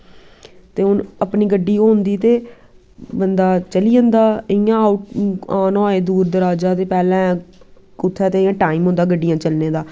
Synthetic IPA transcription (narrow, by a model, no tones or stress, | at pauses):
t̪eːʊnəpniːɡəɖːiːoːnd̪iːt̪eː | bənd̪aːt͡ʃəliːə̃nd̪aːɪjãːaʊʈ̚aːnaːeːd̪uːɾd̪əɾaːd͡ʒaːt̪eːpɛːlɛ̃ː | ʊt̪ʰːɛːt̪eːɪjãːʈaːiːmɦʊ̃nd̪aːɡəɖːɪjãːt͡ʃəlneːd̪aː